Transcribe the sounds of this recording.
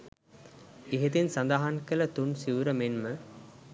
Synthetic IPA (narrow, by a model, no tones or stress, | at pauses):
eɦet̪insand̪aɦankələt̪unsiʋuɾəmenmə